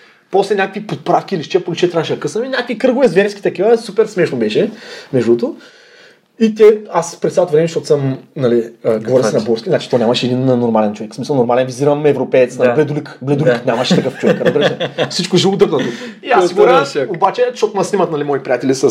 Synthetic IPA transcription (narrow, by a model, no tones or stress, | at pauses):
pɔslɛnʲakəkvipot̪̚pɾafkʲiliʃt͡ʃɛpolʲit͡ʃɛt̪ɾaʃɛkəsəminʲakəvikɾɤɡʊvɛzvɛɾski̥t̪ɐkivəsupɛɾsmɛʃnobɛʃɛmɛʒd̪ut̪o | it̪ʲɛaspɾɛsalˠt̪vɾɛmɛʃt̪ɔt̪ʊ̥sɐmnɐliəɡɡovɔɾisɛnɐbɔɾskʲiznat͡ʃi̥t̪ɔnʲamɐʃɛd̪innːoɾmalɛnt͡ʃovɛksmisəlˠnoɾmalɛnviziɾɐmɛvɾopɛɛt̪snaliblɛd̪ulikblɛd̪ulknʲamɐʃɛt̪ɐkɤft͡ʃovɛkɾɐzbiɾsɛfsit͡ʃkʊʒilˠut̪əknɐt̪uiasiboɾaobat͡ʃɛʃt̪ɔt̪nɐsnimət̪nɐlimɔitpɾʲijat̪ɛlʲisə